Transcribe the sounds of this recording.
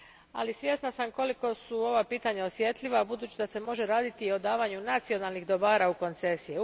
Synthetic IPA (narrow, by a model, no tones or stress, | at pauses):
a̰lisʋje̞snasamko̞liko̞suo̞ʋapiːt̪aɲao̞sje̞t̪liʋabud̪uːt͡ɕid̪ase̞mo̞ʒe̞ɾaːd̪it̪io̞d̪aːʋaɲunat̪sio̞nalnixd̪o̞baːɾauko̞nt̪se̞sije